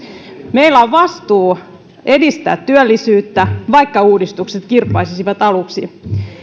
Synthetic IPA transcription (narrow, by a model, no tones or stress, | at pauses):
me̞ilæoʋʋɑst̪uː | e̞dist̪æ̰ːt̪tyølːisyːt̪ːæʋɑikːɑuːdist̪ukset̪kirpːˑɑisisiʋɑt̪ɑluksi